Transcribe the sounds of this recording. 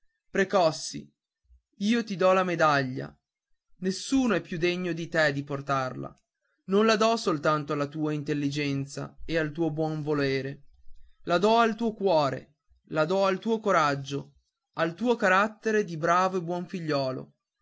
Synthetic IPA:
pɾekɔsːḭ | iːot̪id̪ɔlamed̪aʎːa̰ | nesːuːnoɛpːjud̪eɲːod̪it̪ɛd̪iport̪arla̰ | nonlad̪ɔsolt̪ant̪oalːat̪uːaint̪elːid͡ʒɛnt̪sa̰ealt̪uːobwɔɱvoleːɾe | lad̪ɔalt̪uːokwɔːɾḛ | lad̪ɔalt̪uːokoɾad͡ʒːo | alt̪uːokaɾat̪ːeɾed̪ibɾaːvoebwɔɱfiʎːɔːlo̰

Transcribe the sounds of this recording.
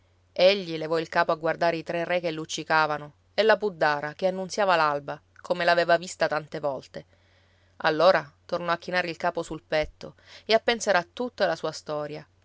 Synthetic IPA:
eʎːilevɔilkaːpoaɡward̪aːɾeit̪ɾerːɛkelːut͡ʃːikaːvano | elːapud̪ːaːɾakeanːunsjaːvalalba | kʰomelaveːvavist̪at̪ant̪evɔlt̪e | alːoːɾat̪ornɔak̟ːinaːɾeilkaːposulpɛt̪ːo | eapːensaːɾat̪ːut̪ːoalasuːast̪ɔːɾja

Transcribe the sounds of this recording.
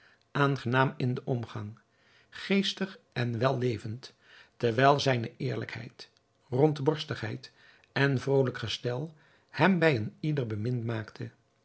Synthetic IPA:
ʔaːnχənaːmɪndəʔɔmχɑŋ | χejstəχʔɛnʋɛlˠːejvənt | tɛɹʋɛjlˠzɛjnəʔɪːɹlə̰khɛ̰jt | rɔntbɔɹstəχɦɛjt | ʔɛnvrowləkχəstɛlˠ | hɛmbɛjənidəɹbəmɪntmaːktʰə

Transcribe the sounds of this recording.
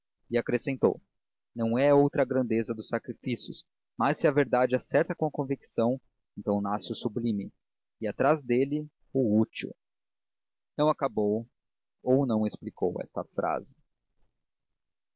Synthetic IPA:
ɪakɾesẽnt̪o̰w | nɐ̃w̃ɛowt̪ɾɐɡɾɐ̃nd̪ezɐd̪ʊsːakɾifisjʊs | masːɪɐveɾd̪ad͡ʒɪasɛɾt̪ɐkõɐkõviksɐ̃w̃ | ẽnt̪ɐ̃w̃nasɪʊsublĩmɪ | ɪat̪ɾazd̪elɪ | ʊut͡ʃḭw | nɐ̃w̃akabow | ownɐ̃w̃espliko̰wɛ̰st̪ɐ̰fɾʔa̰zɪ

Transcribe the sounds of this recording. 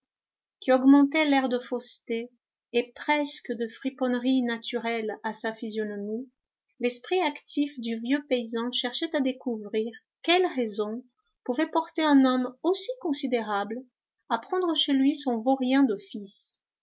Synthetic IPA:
kʲiɔɡmɑ̃t̪ɛlɛʁd̪əfost̪eː | pχɛskəd̪əfχipɔnʁinat̪ʰyʁɛlasafizjɔnɔmi | lɛspχiakt̪ʰifd̪yvjøpeizɑ̃ʃɛʁʃɛt̪ad̪ekuvʁiʁ | kʲɛlʁɛzɔ̃ | puvɛpɔʁt̪eɛ̃nɔmosikɔ̃sid̪eʁabl | apχɑ̃d̪ʁəʃelɥisɔ̃voʁjɛ̃d̪ɔfis

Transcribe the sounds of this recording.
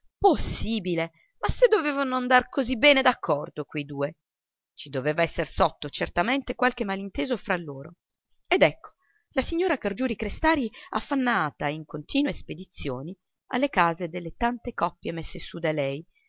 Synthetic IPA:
posːiːbile | masːed̪ːoveːvanoand̪arkozibːɛːned̪akʰːɔrd̪okwejd̪uːe | t͡ʃid̪oveːvaɛsːersɔt̪ːot͡ʃert̪ament̪ekwalk̟emːalint̪eːzofɾalːoːɾo | ed̪ɛkːo̥ | lasiɲːoːɾakard͡ʒuːɾikɾest̪aːɾia̰fːanːaːt̪aiŋkont̪iːnwesped̪it̪sːjoːni | a̰lːekaːzed̪elːet̪ant̪ekɔpːjemesːesud̪alɛj

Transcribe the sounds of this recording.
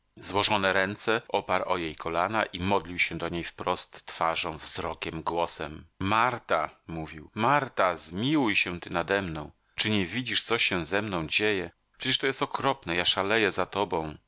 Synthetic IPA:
zwɔʐɔnɛɾɛnt̪sɛʔɔpaɾʔɔjejkʰɔlanaʔimɔd̪lʲiwɕɛd̪ɔɲejfpɾɔst̪ːfaʐɔ̃w̃vzɾɔkʲɛmɡwɔsɛmmaɾt̪amuvʲiwmaɾt̪azmʲiwujɕɛt̪ɘnad̪ɛmnɔ̃w̃ | t͡ʂɘɲɛvʲid͡ʑiʂt̪sɔɕɛzɛmnɔ̃w̃d͡ʑejɛ | pʂɛt͡ɕʲɛʂt̪ɔjɛst̪ɔkɾɔpnɛjaʂalɛjɛzat̪ɔbɔ̃w̃

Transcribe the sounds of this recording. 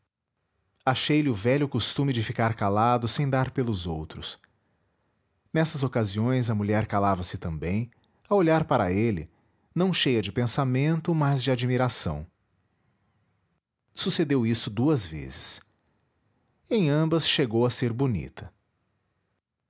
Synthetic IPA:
aʃejlɪʊvɛʎʊkost̪ũmɪd͡ʒɪfikaɾkalad̪ʊsẽj̃d̪aɾpelʊzowt̪ɾʊs | nɛsɐzokaziõj̃zɐmuʎɛɾkalavɐsɪt̪ɐ̃bḛ̃j̃ | awoʎaɾpaɾɐelɪ̰ | nɐ̃w̃ʃejɐd͡ʒɪpẽsamẽnt̪ʊmazd͡ʒɪad͡ʒmiɾasɐ̰̃w̃ | sused̪ewisʊd̪uɐzvḛzɪs | ẽj̃ɐ̃mbɐsʃeɡowɐseɾbunḭt̪ʰɐ

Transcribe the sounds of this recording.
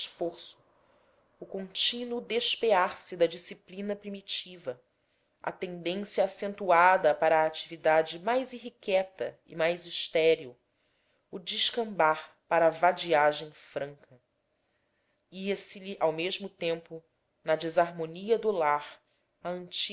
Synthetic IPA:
ʃfoɾsʊ̥ | ʊkõnt͡ʃĩnʊd̪eʃpeaɾsɪd̪ɐd͡ʒisiplĩnɐpɾimit͡ʃivɐ | ɐ̰t̪ẽnd̪ẽsjɐːsẽnt̪uad̪ɐpaɾɐaːt͡ʃivid̪ad͡ʒɪmajziɦikɛt̪ɐ̰ḭmajziʃt̪ɛɾiuː | d͡ʒiʃkɐ̃mbaɾ | paɾɐːvad͡ʒiaʒẽj̃fɾɐ̃ŋkʰɐ | iɐsɪliʔawmeʒmʊt̪ẽmpʊ | nɐd͡ʒizaɾmoniɐd̪ulaɾ | ɐə̃nt͡ʃi

